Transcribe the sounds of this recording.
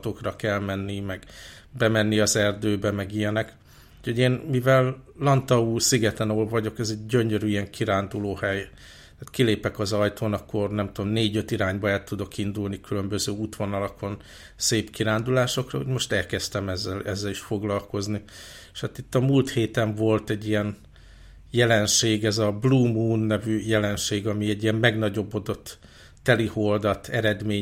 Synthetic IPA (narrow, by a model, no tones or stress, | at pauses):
t̪o̞krɒkɛlmɛnːimɛɡbɛmɛnːiɒzɛrd̪øːbɛmɛɡijɛnɛk | u̥cʰo̞ɟeːnmivɛlːɒnt̪ɒuːsiɡɛt̪ɛnolvɒɟo̞kɛzɛɟːøɲøɾyijɛŋkʰiɾaːnd̪uloːhɛj̪ | aːt̪kileːpɛkɒzɒjt̪ʰoːnɒkːo̞rnɛmt̪uomneːɟø̞t̪iɾaːɲbɒɛlt̪ud̪o̞kind̪ulnikylø̞mbø̞zøːut̪ʋo̞nɒlɒkʰo̞n | seːpkiɾaːnd̪ulaːʃo̞krɒ̰ho̰ɟmo̞ʃt̪ɛlkɛst̪ɛmɛzːɛlɛzːɛliʃfo̞ɡlɒlko̞zni | ʃhat̪it̪ːɒmuːlt̪heːt̪ɛɱvo̞lt̪ɛɟːijɛn | jɛlɛnʃeːɡɛzɒbluːmuːnːɛvyjɛlɛnʃeːɡɒmiɛɟːijɛmmɛɡn̪ɒɟo̞bːo̞d̪o̞t̪ː | ɛliho̞ld̪ɒt̪ʰɛɾɛd̪meː